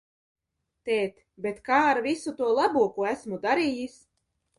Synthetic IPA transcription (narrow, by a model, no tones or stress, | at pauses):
t̪ɛːt̪ | bet̪kaːɾvisut̪uɔlˠabuɔkuæsmud̪aɾiːjis